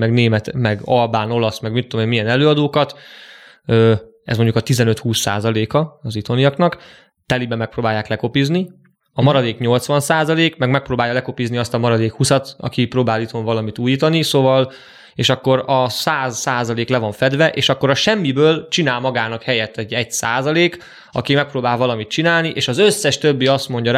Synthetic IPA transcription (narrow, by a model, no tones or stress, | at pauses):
mɛɡneːmɛt̪mɛɡɒlbaːno̞lɒsmɛɡmit̪ːomeːmijɛnɛløːɒd̪oːkɒt̪ | øː | ɛ̰zmo̞ɲɟukɒt̪izɛnø̞t̪huːsːa̰ːzɒleːkɒɒzit̪o̞nijɒknɒk | t̪ɛlibɛmːɛkproːbaːjaːklɛko̞pizni | ɒmɒɾɒd̪eːkɲo̞lt̪sʋɒnsaːzɒleːkmɛɡmɛk̚proːbaːjɒlɛko̞pizniɒst̪ɒmɒɾɒd̪eːkhusɒt̪ɒ̰kipɾoːbaːlit̪ʰoɱvɒlɒmit̪uːjiːt̪ɒnisoːvɒl | eːʃɒkːo̞ɾɒsaːzːaːzɒleːklɛvɒɱfɛd̪vɛʔeːʃɒkːo̞ɾɒʃɛmːibøːlt͡ʃinaːlmɒɡaːnɒkhɛjɛt̪ːɛɟɛɟsa̰ːzɒleːk | ɒ̰kimɛk̚proːbaːlvɒlɒmit̪t͡ʃinaːlniʔeːʃɒzøsːɛʃt̪øbːiɒst̪mo̞ɲɟɒɾ